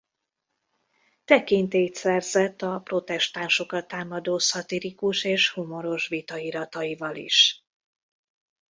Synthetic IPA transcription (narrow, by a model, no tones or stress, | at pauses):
t̪ɛkint̪eːt̪sɛrzɛt̪ːɒpro̞t̪ɛʃt̪aːnʃo̞kɒt̪ːaːmɒd̪oːsɒt̪iɾikuʃeːʃhumo̞ɾo̞ʃvit̪ɒiɾɒt̪ɒjivɒlḭʃ